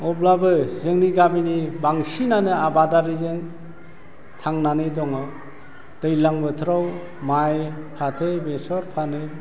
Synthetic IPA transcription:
ɔblabɯzɯŋniɡabinibaŋsinanɯabadaɾizɯŋ | tʰaŋnanɯdɔŋɯ | d̥ɯjlaŋbɯtʰɾaw | maj | pʰatʰɯjbesɔɾpʰanɯ

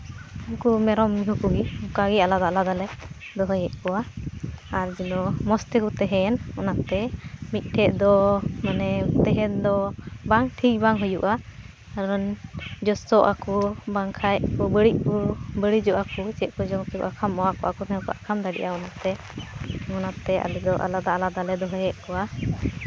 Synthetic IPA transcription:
uŋkumɛɾɔmːiɦukuɡikaɡialad̪aʔlad̪alɛ | d̪ɔɦɔjɛʔ̚kɔwaː | ɾd͡ʒinɔmɔst̪ɛkut̪ɛɦɛnɔnaʔt̪ɛmit̪̚ˀʈʰɛʔd̪ɔmanɛt̪ɛɦɛnd̪ɔbaŋʈʰik̚ˀbaŋɦujuʔa | aɾɔnd͡ʒɔsɔʔakɔbaŋkʰajʔkɔbəɽiʔ̚kɔbəɽid͡ʒɔʔakɔt͡ʃɛʔkɔd͡ʒɔŋt̪ɛkɔ̰ʔakʰamɔwakɔʔakɔt̪ɛɛkɔʔakʰamd̪aɽḭʔaɔnat̪ɛ | ŋɔnat̪ɛa̰lɛd̪ɔʔa̰lad̪alad̪alɛd̪ɔɦɔjɛʔkɔwa

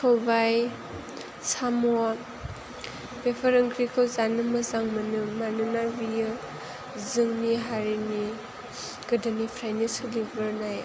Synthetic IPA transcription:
tʰɔbaj | samɔa | bepʰaɾɯŋɡɾikʰɔzanɯmɯzaŋmɯnɯmanɯnabijɯ | zɯŋniɦaɾini | ɡ̥ɯdɯnipʰɾajnisɯlibəɾnaj

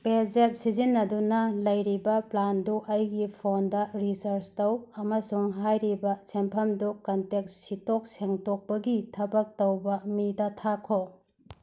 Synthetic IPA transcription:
belzep̚sizinːɐdunɐlɐjɾibɐplanduʔɐjɡipʰondɐɾisɐɾstɐwɐmɐsuŋɦajɾibɐsempʰɐmdukɐntek̚ssitok̚seŋtok̚pɐɡitʰɐbɐk̚tɐwbɐmidɐtʰakʰo

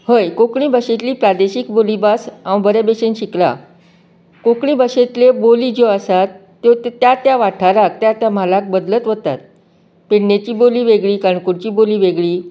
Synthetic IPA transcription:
həjkokɳiːbəɕet̪liːpɾad̪eɕikbolibasãwbəɾebeɕenɕikla̰ | kokɳiːbəɕet̪leboliːd͡ʑoəsat̪ːjot̪t̪jat̪jaʋaʈʰaɾak̚t̪jat̪jamalak̚bəd̪lət̪ʋət̪at̪̚ | peɽnet͡ɕiːboliːʋeɡɭiːkaɳkuɾt͡ɕiːboliːʋeɡɭiː

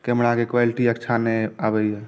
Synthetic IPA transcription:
kemɽakekʋaliʈiəkt͡ʃʰaneabɛjɦɛ

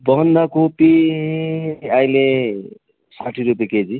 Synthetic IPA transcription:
bʌɦʌnd̪akopi | ajle | saʈʰiɾup̬jeked͡zi

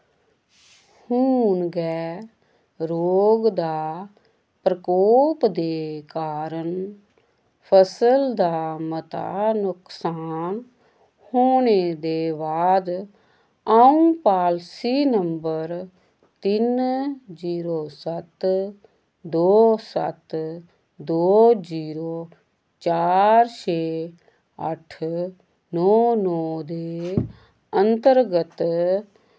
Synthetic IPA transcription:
huːnɡɛː | ɾoːɡd̪aː | pɾəkɔːpd̪eːkaːɾəɳ | pʰəsəld̪aːmət̪a̰ːnʊksaːn | hoːɳeːd̪eːbaːd̪ | aũpaːlsiːnəmbəɾ | t̪ɪnziːɾoːsət̪ | d̪oːsə̰t̪ | d̪oːd͡ʒiːɾoː | t͡ʃaːɾt͡ʃʰeː | ə̰ʈʰ | nɔːnɔːd̪eː | ənt̪əɾɡət̪

